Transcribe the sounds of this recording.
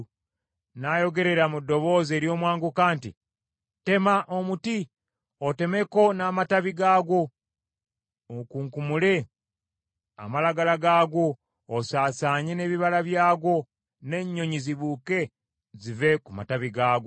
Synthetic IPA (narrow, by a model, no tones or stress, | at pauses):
najo̞ɡe̞ɾe̞ɾamudːo̞βo̞ːze̞ːɾjo̞ːmwaːŋɡukaːntḭ | te̞maʔomuti | ote̞me̞ko̞naːmataβiɡaːɡo̞ | okuːŋkumule̞ | a̰malaɡalaɡaːɡo̞ː | saːsaːɲe̞ne̞ːβiβalaβjaːɡo̞ | ne̞ɲːo̞ɲiziβuke̞ | zive̞kuma̰taβiɡaːɡo